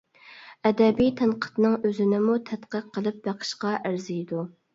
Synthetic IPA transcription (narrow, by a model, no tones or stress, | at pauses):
ɛd̪ɛbijt̪ʰɛnqʰə̥t̪nɨŋøzɪnɪmut̪ʰɛt̪qəqʰːəlˠɨp̚bæqʰə̥ʃqɑʔæɾzijd̪u